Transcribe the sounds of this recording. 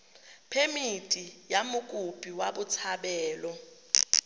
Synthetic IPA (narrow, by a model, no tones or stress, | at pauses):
pʰemitʼijamuk̬ʼupʼiwaɓut͡sʰaɓɛːlɔ